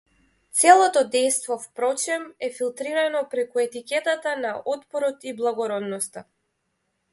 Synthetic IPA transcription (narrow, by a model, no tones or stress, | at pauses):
t̪sɛlˠɔt̪ɔd̪ɛjst̪vɔfpɾɔt͡ʃɛmɛfilˠt̪ɾiɾanɔpɾɛkuɛt̪ikʲɛt̪at̪anaʔɔt̪pɔɾɔt̪iblˠaɡɔɾɔd̪nɔst̪a